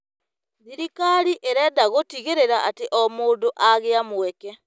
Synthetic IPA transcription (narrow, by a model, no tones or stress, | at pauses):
ðiɾikaɾiʔeɾɛdaɣotiɣeɾeɾaʔateʔɔmoːndoʔaɣeamwɛkɛ